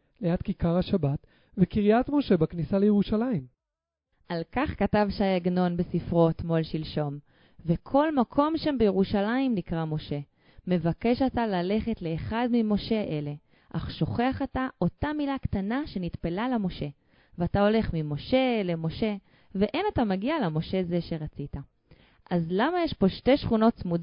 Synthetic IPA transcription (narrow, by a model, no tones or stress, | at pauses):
lejat̪kikaʁhaʃabat̪ | vekiʁijat̪mo̞ʃe̞baknisalejeʁuʃalaim | ʔalkaχkatavʃajaɡno̞nbesifʁo̞t̪mo̞lʃilʃo̞m | vekʰo̞lmakʰo̞mʃambejeʁuʃalaimnikʁamo̞ʃe̞ | me̞vake̞ʃatalale̞χetle̞ːχadmimo̞ʃe̞ʔe̞le̞ | ʔaχʃo̞χeaχataʔo̞tamilaktanaʃe̞nitpelalamo̞ʃe̞ | veatao̞le̞χmimo̞ʃe̞le̞mo̞ʃe̞ | veʔenatamaɡialemo̞ʃe̞ze̞ʃe̞ʁat͡sita | ʔazlamajeʃpo̞ʃte̞ʃχuno̞tsmud